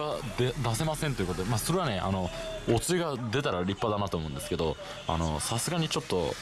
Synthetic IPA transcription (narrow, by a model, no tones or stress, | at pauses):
ad̪ed̪ase̞masẽnt̪o̞i̟ko̞t̪od̪emaːso̞ɾe̞βane̞ʔa̰no̞ot͡sɨiɡad̪e̞t̪aɾaɾʲipːad̪anat̪oːmoɯ̃nd̪e̞sɨ̥ke̞d̪o̞ | a̰no̞̰sasɨɡaɲ̟it͡ɕo̞t̪ːo̞̰